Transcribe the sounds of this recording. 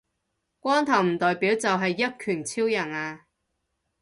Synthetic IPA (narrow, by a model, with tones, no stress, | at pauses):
kʷɔː˥nt̪ʰɐ˨˩wm̩˨˩t̪ɔː˨jpiː˨˥wt͡sɐ˨wɦɐ˨jːɐ˥t̚kʰyː˨˩nt͡sʰiː˥wjɐ˨˩naː˧